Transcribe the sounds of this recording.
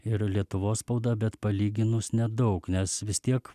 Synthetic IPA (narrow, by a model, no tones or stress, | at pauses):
ɪɾlʲiɛt̪ʊʋoːsspɒʊd̪ɐbʲɛt̪pɐlʲiːɡʲɪnʊsnʲɛd̪ɒʊknʲɛsʋʲɪst̪ʲiɛk